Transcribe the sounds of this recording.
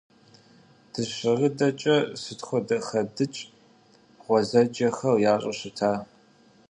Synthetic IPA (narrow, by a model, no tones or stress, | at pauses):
d̥ɨɕɪʁədɐt͡ʃʼɐsɨtxʷɔdɐχɐdɨt͡ʃʼ | ʁʷɔzɐd͡ʒɐxɐrjaːɕʼɐɕɪtʰaː